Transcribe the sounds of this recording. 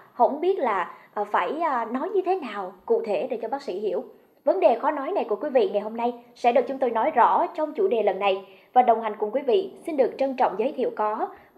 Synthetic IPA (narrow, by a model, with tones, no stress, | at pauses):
hə̰˧˨˥ŋ͡mɓi˦˥ət̚laː˨˩ʔːfaː˧˩jnɔ˨˦jɲɨ˧t̪ʰe˨˦naː˨˩wkṵ˧˨t̪ʰe˧˩ɗe˧˩t͡ɕɔ˧ɓaː˦˥k̚sḭ˧˥˩hḭ˧˩˨əw | və˨˦nɗe˨˩xɔ˨˦nɔ˨˦jna˨˩jku˧˩əkwi˨˦vḭ˧˨ŋa˨˩jho˧mna˧jsɛ̰˧˥ɗɨ˨˩k̚t͡ɕʊ˨˦ŋ͡mt̪o˧jnɔ˨˦jzɔ̰˧˥t͡ɕɔ˧wŋ͡mt͡ɕu˧˩ɗe˨˩lə˨˩nːa˨˩j | vaː˨˩ɗə˨˩wŋ͡mɦa˨˩jŋ̟kʊ˨˩ŋ͡mkwi˨˦vḭ˧˨si˧nɗɨ˨˩ək̚t͡ɕə˧nt͡ɕɔ̰˧˨ŋ͡mzəː˨˦jt̪ʰḭ˧˨əwkɔ˨˦